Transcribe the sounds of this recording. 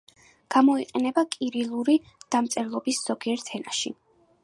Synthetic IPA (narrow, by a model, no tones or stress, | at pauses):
ɡ̥amɔiqʼɛnɛbakʼiɾilˠuɾi | d̪̥amt̪sʼɛɾlˠɔbisz̥ɔɡiɛɾt̪ʰɛnaʃḭ